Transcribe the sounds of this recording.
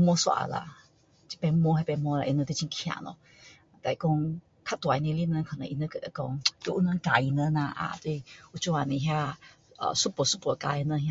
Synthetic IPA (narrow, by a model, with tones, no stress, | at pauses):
mwɔ˦swa̰˧˩˧la̰˧˩ | t͡ɕi̥˧pɛ˧˦mwɔ˦ha˧pɛ˧mɔ˧˦la˧ʔi˧nə̃˧t̪we˧t͡ɕi˧˦kʰj̃ã̰˨˩˨nɔ̰˧˦˧ | t̪a˧˩i˨˧kɔ˦ŋ | kʰa˧˥t̪wa˨i˧nẽ˧li˧˥nə˧kʰə˨nə̰̃˧˦ʔḭ˧nə˧kə˧˩d̪ə˧˦kɔ˧ŋt̪we˧ʔu˧˦nã˧ka˨˩i˧nə˧˦na˧ʔa̰˧˨t̪we˧i˧u˧˩t͡ɕu˧a˧˩nĩ˨ɦja˧ | ə̰˨su˦pɔ˨˩˦su˦˥pɔ˨˧˩ka˧˩i˧nə˧hja˧